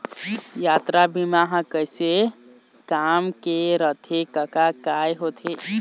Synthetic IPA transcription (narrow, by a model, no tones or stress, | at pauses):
jat̪ɾabimaɦkəjse | kamkeɾət̪ʰekəkakajɦot̪ʰe